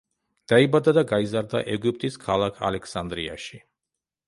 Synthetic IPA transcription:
d̪̥aibad̪ad̪aɡaizaɾd̪a̰ʔɛɡyp̚ʼt̪ʼiskʰalˠakʰa̰lɛkʰsand̪ɾia̰ʃi

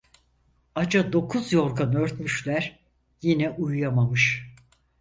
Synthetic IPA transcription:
ad͡ʒad̪o̞kʰuzjo̞ɾkanøɾt̪myʃlʲæɾ | jinɛʔujjamamɯʃ

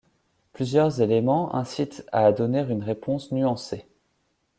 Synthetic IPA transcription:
plyzjœʁzelemɑ̃ʔɛ̰̃sit̪a̰ːd̪ɔneʁynʁepɔ̃snyɑ̃se

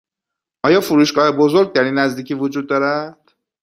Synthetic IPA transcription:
ʔɒːjɒːfuɾuːʃɡɒːhebo̞zoɾɡ̚t̪ʰæɾiːnːæzd̪iːcʰiːvod͡ʒuːd̪̚ːɒːɾæd̪̥

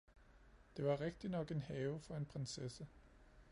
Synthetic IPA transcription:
d̥e̝ʋɑ̈ʁɛɡ̥̚d̥inɒ̽ɡ̥e̝nhɛːʊfɒ̽e̝npʰʁensesə

